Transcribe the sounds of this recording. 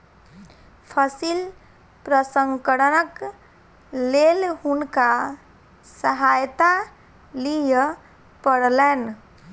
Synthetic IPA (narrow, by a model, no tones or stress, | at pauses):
pʰəsil | pɾəsəŋkəɽənək | lelɦunka | səɦajt̪a | lijə | pəɽlen